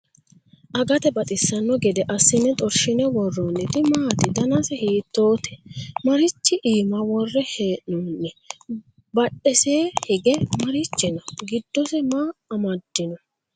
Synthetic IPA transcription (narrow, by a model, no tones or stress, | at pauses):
ʔɐɡɐt̪ɛbɐt̪ʼɪsːɐnːɔɡɛd̪ɛʔɐsːɪnːɛt̪ʼɔɾʃɪnɛwɔrːonɪt̪ɪmaːt̪ɪd̪ɐnɐsɛhiːt̪ːoːt̪ɛ̥mɐɾɪt͡ʃːɪʔiːmɐwɔrːɛheːʔnuːnːɛ | bɐɗɛseːhɪɡɛmɐɾɪt͡ʃːɪnɔɡɪd̪ːɔsɛmaːmɐd̪ːɪnɔ